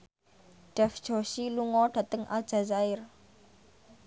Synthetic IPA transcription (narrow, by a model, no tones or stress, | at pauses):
ɖ̥ɛfd̥ʒ̥o̤ʃiluŋɔɖ̥a̤t̪əŋʔa̰ld̥ʒ̥azaɪr